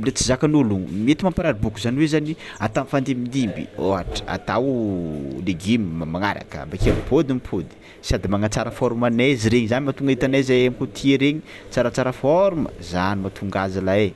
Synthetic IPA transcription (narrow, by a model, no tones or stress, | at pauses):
let͡sizakanulumiet̪imampaɾaɾibukuzaniwezani | at̪amfand̪emind̪imbḭoaʈ͡ʂi̥a̰t̪aw | leɡimmamaŋaɾa̰kə̰bakiamipʰod̪imipʰod̪i̥ | sad̪imaŋat͡saɾəfoɾumaneziɾeɲizanimat̪uŋɡait̪anazajamikot̪ʰieɾeɲi̥ | t͡saɾat͡saɾəfɔɾumə̰zanimat̪ʰuŋɡazalae